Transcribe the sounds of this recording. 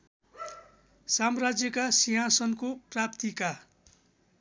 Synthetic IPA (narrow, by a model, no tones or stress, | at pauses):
samrad͡zjʌkasiɦãsʌnkoprap̚t̪ika